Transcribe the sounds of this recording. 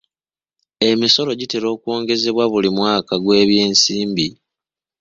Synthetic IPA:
e̞miso̞lo̞ɟite̞ɾo̞ːkwo̞ːŋɡe̞ze̞βwaβulimwaːkaɡwe̞ːβje̞ːnsiːmbi

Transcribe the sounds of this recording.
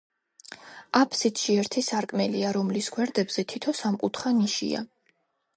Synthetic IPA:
apʰsit̪ʰʃiɛɾt̪ʰisaɾkʼmɛliaɾɔmlisɡwɛɾd̪ɛbz̥ɛt̪ʰit̪ʰɔsamkʼut̪ʰχaniʃḭa̰

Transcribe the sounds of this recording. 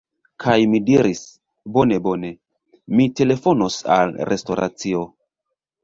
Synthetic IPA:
kʰajmidiɾis | bo̞ne̞bo̞ne̞ | mite̞le̞fo̞nosa̰lɾe̞sto̞ɾa̰t͡sio

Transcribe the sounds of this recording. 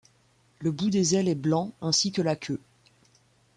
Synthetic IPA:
ləbud̪ezɛlɛblɑ̃ɛ̃sikəlakʲʰø

